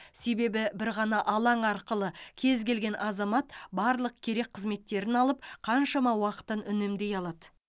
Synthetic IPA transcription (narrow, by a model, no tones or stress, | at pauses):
se̞be̞bɪbɪɾʁɑnɑʔɑlˠɑɴɑɾqəlˠəkʲʰe̞zkʲe̞lɡʲe̞nʔɑzɑmɑt̪bɑɾlˠəq̚kʲʰe̞ɾe̞k̚qʰəzme̞t̪ːe̞ɾɪnɑlˠəp̚qʰɑnʃɑmɑwɑqə̥t̪ənʏne̞md̪e̞jɑlˠɑd̪ə